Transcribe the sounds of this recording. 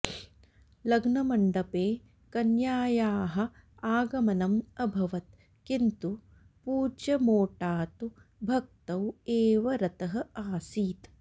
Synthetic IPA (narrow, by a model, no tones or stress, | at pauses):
lɐɡnɐmɐɳɖɐpeː | kɐnjaːjaːɦɐ̆ | aːɡɐmɐnɐmɐbʱɐʋɐt̪̚ | kint̪u | puːd͡ʒɐmoːʈaːt̪ubʱɐk̚t̪ɐweːʋɐɾɐt̪ɐɦɐ̆aːsiːt̪